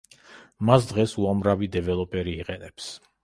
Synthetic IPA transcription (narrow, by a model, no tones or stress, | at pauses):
masd̪ʁɛsuamɾavid̪ɛvɛlˠɔpʼɛɾiːqʼɛnɛps